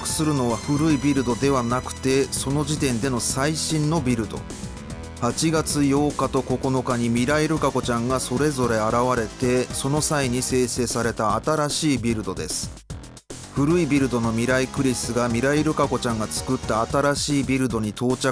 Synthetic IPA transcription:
kɯ̟̥sɨɾɯ̟no̞βaɸɯ̟ɾɯ̟ibʲiɾɯ̟d̪o̞d̪e̞β̞anakɯ̟̥t̪e̞so̞no̞ʑit̪ẽ̞nd̪e̞no̞saiɕĩnːo̞bʲiɾɯ̟d̪o̞̰ | hat͡ɕiɡat͡sɨjo̞ːkat̪o̞ko̞ko̞no̞kaɲ̟imʲiɾaiɾɯ̟kako̞t͡ɕãŋɡaso̞ɾe̞zo̞ɾe̞aɾaβaɾe̞t̪e̞so̞no̞saiɲ̟ise̞ːse̞ːsaɾe̞t̪aːt̪aɾaɕiːbʲiɾɯ̟d̪o̞d̪e̞sɨ̥ | ɸɯ̟ɾɯ̟ibʲiɾɯ̟d̪o̞no̞mʲiɾaikɯ̟ɾʲisɨɡamʲiɾaiɾɯ̟kako̞t͡ɕãŋɡat͡sɨ̥kɯ̟t̪ːaːt̪aɾaɕiːbʲiɾɯ̟d̪o̞ɲ̟it̪o̞ːt͡ɕa

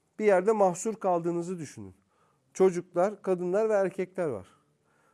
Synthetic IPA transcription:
b̥ijæɾd̪ɛmahsuɾkʰalˠd̪ɯːnɯzɯd̪yʃyny̰n | t͡ʃʰo̞d͡ʒuklˠaɾkʰad̪ɯnlˠaɾvɛæɾcʰɛclʲæɾva̰ɾ̥

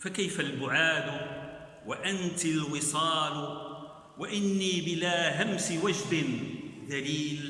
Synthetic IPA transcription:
fakajfalbʊʕaːd̪ | waʔant̪alwɪsˤɑːl | waʔɪnːiːbɪlaːɦamsɪwad͡ʒd̪ɪnðaliːl

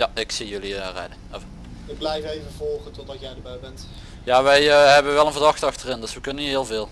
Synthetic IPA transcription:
jaɪksijɵliərɛ̰dənɛvə | ʋəblɛjvəejvəvɔlˠχətɔtɑsjɛjdəbɛjbɛnt | jaːʋɛjəɦɛbənʋɛlˠənvərdɑxtɑxtərɪndɵsʋəkɵnəniɦɪːlˠvɪːlˠ

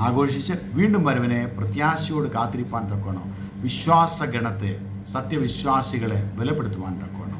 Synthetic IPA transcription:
aːɡo̞ːʂit͡ɕːɨʋiːɳɖumbɐɾɐʋɐneprɐt̪jaːsijoːɽɨkaːt̪ːiɾipːaːnt̪ɐkːɐːɳo̰ː | ʋiɕʋaːsɐɡɾɐɳɐt̪ːe | sɐt̪jɐʋiɕʋaːsiɣɐɭebelɐpːeɽut̪ːuʋaːnt̪ɐkːoːɳo̰

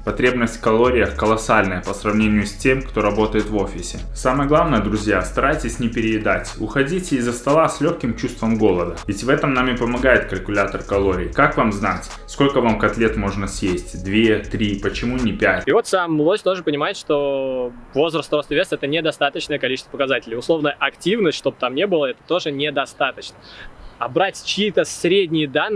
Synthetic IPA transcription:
pɐt̪ɾʲe̞bnəsʲtʲkɐlˠo̞ɾʲɪjəxkəlˠɐsalʲnəjəpəsrɐvnʲenʲɪjʊsʲtʲemkt̪o̞ɾɐbo̞t̪əjɪt̪vo̞fʲɪsʲɪsaməjəɡlˠavnəjəd̪ɾʊzʲjast̪ɐɾajtʲɪsʲnʲɪpʲɪɾʲɪɪd̪atʲʊ̰xɐdʲitʲɪzːəst̪ɐlˠasʲlʲoxkʲɪmt͡ɕust̪vəmɡo̞lˠəd̪əvʲɪtʲvɛt̪əmnamʲɪpəmɐɡajɪt̪̚kəlʲkʊlʲat̪ərkɐlˠo̞ɾʲɪ̰ɪkakvamznatʲ | sko̞lʲkəvamkɐt̪lʲet̪mo̞ʐnəsʲjesʲtʲd̪vʲet̪ɾʲipət͡ɕɪmunʲɪpʲætʲivo̞t̪samːlˠosʲt̪o̞ʐɨpənʲɪmajɪt̪ʂt̪o̞ | vo̞zɾəst̪ɾost̪əvʲest̪ɛt̪ənʲɪd̪ɐst̪at̪ət͡ɕnəjəkɐlʲit͡ɕɪst̪və̥pəkɐzatʲɪlʲɪjʊslˠo̞vnəjəʔɐktʲivnəstʲʂt̪o̞b̚t̪amnʲebɨlˠəɛt̪ə̥t̪o̞ʐɨnʲɪd̪ɐst̪at̪ət͡ɕnəɐbɾatʲt͡ɕɪiːt̪əsɾʲedʲnʲɪjɪd̪anː

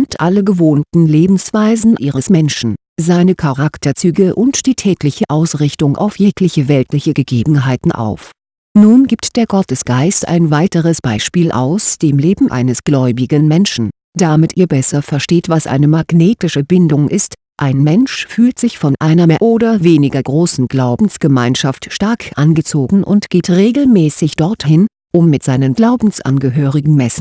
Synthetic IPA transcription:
ntʔaləɡəvoːntn̩leːbm̩sv̥aɪzn̩ʔiːʁəsmɛnʃn̩ | zaɪnəkʰaʁaktɐt͡syːɡəʔʊntd̥iːtʰɛːkʰlɪçəʔaʊsʁɪçtʊŋʔa̰ʊfjeːklɪçəvɛltlɪçəɡəɡeːbm̩ɦaɪtn̩ʔa̰ʊf | nuːnɡiːp̚td̥eːɐɡɔtəsɡ̥aɪstʔa̰ɪnvaɪtəʁəsb̥aɪʃpiːlʔa̰ʊsd̥eːmleːbm̩ʔa̰ɪnəsɡ̥lɔʏbɪɡənmɛnʃn̩ | d̥amɪtʔiːɐbɛsɐfɛɐʃteːtv̥asʔa̰ɪnəmaɡ̥neːtɪʃəbɪndʊŋʔɪst | ʔaɪnmɛnʃfyːltz̥ɪçfɔnʔaɪnɐʔoːdɐveːnɪɡɐɡʁoːsn̩ɡ̥laʊbm̩sɡ̥əmaɪnʃaftʃtaɐkʰʔanɡət͡soːɡŋ̩ʔʊ̰ntɡ̥eːtʁeːɡl̩mɛːsɪçd̥ɔɐthɪn | ʔʊmːɪtz̥aɪnənɡlaʊbm̩sʔa̰nɡəɦøːʁɪɡŋ̩mɛsn̩

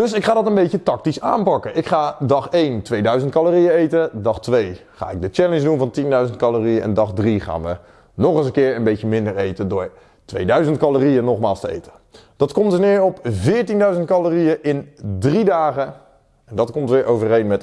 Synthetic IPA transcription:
dɵsɪkχaːdɑtənbejətɑk̚tisa̰ːnpɑkəʔɪkχaːdɑχejntʋejdœɥzəntkɑloːriəejtədɑχtʋejχa̰ːɪɡ̚dət͡ʃɛlənd͡ʒdunvɑntindœɥzəntkɑloːriəʔɛ̰ndɑχdriχa̰ːnʋə | nɔχəsəŋkɪːɹənbejjəmɪndəɹejtəndʊːɹ | tʋejdœɥzənt̚kɑloːriənɔχmaːlˠstəḛjtə | d̥ɑtkɔmtəsnɪːɹɔpvɪːɹtindœɥzənt̚kɑloːrijəʔɪndridaːχə | ɛndɑtkɔmtʋɪːɹʔowvərejnmɛt

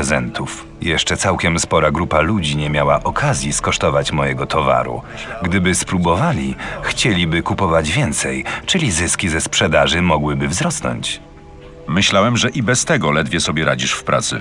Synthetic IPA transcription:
ɛzɛnt̪ʰuf | jɛʂt͡ʂɛt̪sawkʲɛmspɔɾaɡɾupalud͡ʑiɲɛmʲjawaʔɔkʰazʲjiskɔʂt̪ɔvat͡ɕmɔjɛɡɔt̪ʰɔva̰ɾṵ | ɡd̪ɘbɘspɾubɔvalʲixt͡ɕelʲibɘkupɔvad͡ʑvʲjɛnt̪sɛjt͡ʂɘlʲizɘskʲizɛspʂɛd̪aʐɘmɔɡwɘbɘvzɾɔsnɔ̰ɲt͡ɕ | mɘɕlawɛmʐɛʔibɛst̪ɛɡɔlɛd̪vʲjɛsɔbʲjɛɾad͡ʑiʂfpɾʔa̰t̪sɘ̰

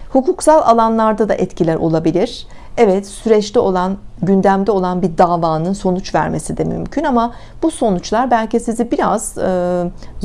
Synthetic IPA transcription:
hukuksalˠa̰lˠanlˠaɾd̪ad̪a̰ʔɛt̪cʰilʲæɾʔo̞̰lˠabilʲiɾ̥ | ɛvɛt̪syɾɛt͡ʃt̪ɛo̞lˠanɟynd̪æmd̪ɛo̞lˠanbiɾd̪aːvaːnɯnso̞nut͡ʃvæ̰ɾme̞sid̪ɛmy̰mcʰynama | buso̞nut͡ʃlˠaɾbælʲcisizibiɾa̰z̥ɯː

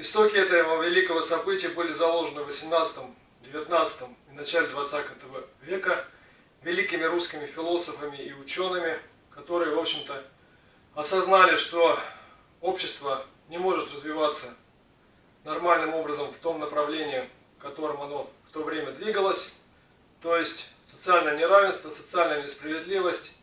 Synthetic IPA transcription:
ɪst̪o̞kʲɪɛt̪əvəvʲɪlʲikəvəsɐbɨtʲɪjəbɨlʲɪzɐlˠo̞ʐɨnɨvəsʲɪmnat̪sɨ̥t̪əm | dʲɪvʲɪt̪nat̪sɨ̥t̪əminɐt͡ɕælʲɪd̪vɐt̪sat̪ət̪əvəvʲe̞kə | vʲɪlʲikʲɪmʲɪɾuskʲɪmʲɪfʲɪlˠo̞səfəmʲɪiʊt͡ɕo̞nːɨmʲɪ | kɐt̪o̞ɾɨjəvo̞pɕɪmt̪ə | ɐsɐznalʲɪʂt̪o̞ | o̞pɕːɪst̪və | nʲɪmo̞ʐɨt̪rəzvʲɪvat̪sːə | nɐrmalʲnɨmo̞bɾəzəmft̪o̞mnəpɾɐvlʲenʲɪɪ | kɐt̪o̞ɾɨmɐno̞ft̪o̞vɾʲemʲəd̪vʲiɡəlˠəsʲ | t̪o̞jɪsʲtʲsə̥t̪sɨalʲnəjənʲɪɾavʲɪnst̪vəsət̪sɨalʲnəjənʲɪspɾəvʲɪd̪lʲivəsʲtʲ

